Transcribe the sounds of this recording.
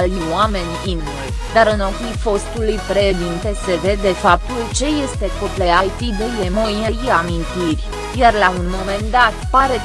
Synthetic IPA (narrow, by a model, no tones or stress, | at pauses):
lwame̞nʲim | e | d̪aɾɨnopijfo̞st̪ulujpɾeʃd̪int̪e̞se̞ve̞d̪e̞fap̚t̪ult͡ʃe̞je̞st̪e̞kopleajt̪id̪ejemojeiamint̪irʲ | jarlaunmo̞me̞nd̪at̪paɾe̞